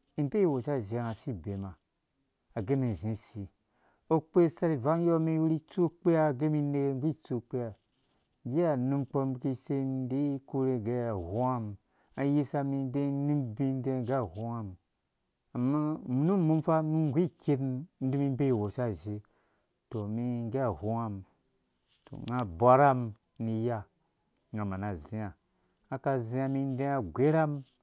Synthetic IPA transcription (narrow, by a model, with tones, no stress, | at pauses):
i˨m˦be˦i˦˨wo˨sa˦˨ze˨a˨si˦be˨ma˨ | a˨ɡe˦mi˨zĩ˨˦si˨ | o˦k͡pe˦sa˦ɾi˨va˦n˦jo˦mi˦wu˦ɾi˦t͡su˦k͡pe˦ja˦˨ɡe˦mi˧ne˦e˦ŋɡʷi˦˨t͡su˦k͡pe˦ja˨ | ɡe˦a˨nũ˦mk͡po˧m˦bki˦se˦nde˦ko˦ɾe˧ɡe˦a˨hu˦a˦m˨ | a˨˦ji˦sa˧mi˧˦de˦nu˦mbĩ˦n˦de˦˨ɡa˦hu˦a˦m˨ | a˨mːa˦mu˦nu˦mu˦mfa˦mi˦ŋ˨ɡʷi˦˨ke˦tn̩˦di˦mi˦be˦i˨wo˨sa˦˨ze˨˦ | to˨mi˦ŋ˦ɡa˦a˨hu˦a˦m | to̰˨ŋa˦bʷa˦ɾa˦m | ni˧ja˦ | ŋa˨ma˨na˨zi˨˦a˨ | a˨ka˦zi˦a˧mi˦n˦de˦a˨ɡʷe˦ɾa˦m